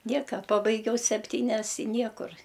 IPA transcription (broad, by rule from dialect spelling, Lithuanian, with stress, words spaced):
ˈnʲiɛkɐ ˈpɑːbɐɪɡʲɛʊ sʲɛpʲˈtʲiːnʲɛs ɪ ˈnʲiɛkʊr